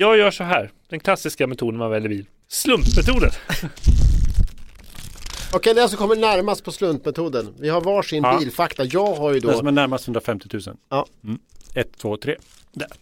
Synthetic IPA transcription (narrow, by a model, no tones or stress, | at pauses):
jɑːɡjœːʂɔɦæːɾd̪̥ɛnkʰlasːɪskamɛt̪ʰuːd̪ənavɛlːɪɾbiːl | slɵnt̪mɛt̪ʰuːd̪ən | ɔkʰɛjd̪ɛas̬ɔkʰɔmːəɖnæɾmast̪pʰɔslɵnt̪mɛt̪ʰuːd̪ənvɪɦaɾvɑːʂɪniːlfakt̪ajɑːɡɦaɾjəd̪omɛnæɾmast̪hɵnd̪ɾafɛmt̪ɪ̥t̪ʰʉ̟ːsə̰nɑː | ɛt̪ʰːvoːt̪ʰɾḛː | d̪ɛ